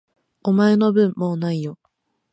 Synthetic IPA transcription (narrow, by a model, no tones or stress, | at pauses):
omae̞no̞bɯ̟̃mːoːnaijo